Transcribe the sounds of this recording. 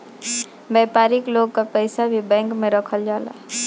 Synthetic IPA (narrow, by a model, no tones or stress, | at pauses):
bɛpaɾikloɡkapəɪsabʱibɛ̃ŋkmẽɾəkʰəld͡ʒaːla̰